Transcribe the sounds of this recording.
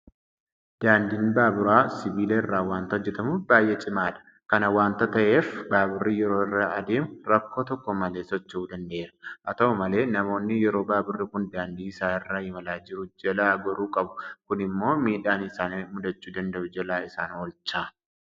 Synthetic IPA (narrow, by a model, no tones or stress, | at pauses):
d̪̥aːnd̪iːnbaːbʊɾaːsɪbiːleːɪrːaːwaːnt̪ɐɔd͡ʒːɛt̪ɐmʊbaːjʔet͡ʃʼɪmaːᶑɐ̥ | kɐnɐwaːnt̪ɐt̪ɐʔe̞ːfbaːbʊrːijɛɾo̞ːɪrːaɐd̪e̞ːmʊrɐkːoːt̪ɔkːɔmɐleːsɔt͡ʃːɐuːd̪ɐnd̪ɐʔeːɾɐ̥ʔɐt̪ɐɔmɐle̞ːnɐmo̞ːnːɪjɛɾo̞ːbaːbʊrːɪkʊnd̪aːnd̪iːɪsaːɪrːaːhɪmɐlaːd͡ʒɪɾʊd͡ʒɛlaːɡɐɾuːkʼɐbʊ̥kʊnɪmːo̞ːmiːᶑaːnɪsaːnmʊd̪ɐt͡ʃːuːd̪ɐnd̪ɐʔʊd͡ʒɛlaːɪsaːnɔlt͡ʃːaː